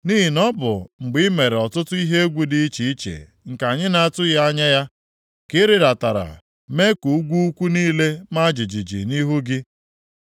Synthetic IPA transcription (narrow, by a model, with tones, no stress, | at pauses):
ni˦ɦi˨nɔ˦bʊ̰˨ŋ͡m̩˨ɡ͡bɪ˦me˨ɾe˨ɔ˨tʊ˦tʊ˦i˦ɦe˦e˦ɡʷu˦dɪ˦t͡ʃi˨i˦t͡ʃḛ˨ | ŋ̩˨ka˨ɲɪ˦na˨a˦˨tʊ˦ja˦ɲa˦ja˦ | kɪ˦ɾɪ˦ɾa˨ta˨ɾa̰˨ | me˦ku˨u˦ɡʷu˦u˦kʷu˦niː˦le˦ma˦d͡ʒi˨d͡ʒi˨d͡ʒḭ˨ni˦ɦu˦ɡɪ˦